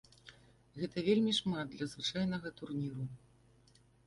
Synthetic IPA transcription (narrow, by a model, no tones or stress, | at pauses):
ɣɛt̪ɐvʲelʲmʲiʂmat̪̚d̪lʲɐzvɨt͡ʂajn̪ɐɣɐt̪urnʲiɾu